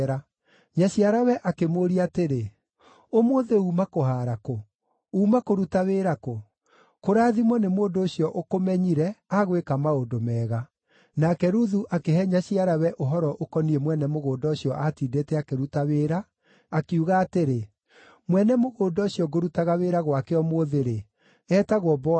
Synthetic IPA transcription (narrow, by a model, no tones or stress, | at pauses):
ɾa | ɲaɕiaɾawɛʔakemoːɾiateɾe | omoːðeuːmakohaːɾako | uːmakoɾutaweːɾako | koɾaːðimɔnemoːndoːɕjɔʔokomɛɲiɾɛaɣwekamaondomɛːɣa | nakɛɾuðuʔakehɛɲaɕiaɾawɛʔoɦɔɾɔʔokɔniɛmwɛnɛmoɣoːdɔɕjɔʔatiːdeːtɛakeɾutaweːɾaː | kiuɣaːteɾe | mwɛnɛmoɣoːdɔɕiɔɡoɾutaɣaweːɾaɣwakɛɔmoðeɾe | ɛːtaɣwɔbɔ